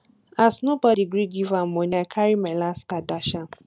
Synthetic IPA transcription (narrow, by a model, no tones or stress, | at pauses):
asnobɔdiɡɾiɡivamoɲakʰaɾimɛlaskadaʃa